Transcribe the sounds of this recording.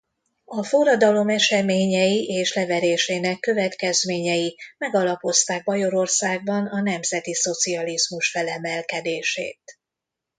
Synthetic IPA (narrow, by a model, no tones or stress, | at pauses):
ɒforɒd̪ɒlo̞mɛʃɛmeːɲɛjiʔeːʃlɛvɛɾeːʃeːnɛkːø̞vɛt̪kɛzmeːɲɛjimɛɡɒlɒpo̞st̪aːɡ̚bɒjo̞ɾo̞rsaːɡ̚bɒnɒnɛmzɛt̪iso̞t̪siɒlizmuʃfɛlɛmɛlkɛd̪eːʃḛːt̪̚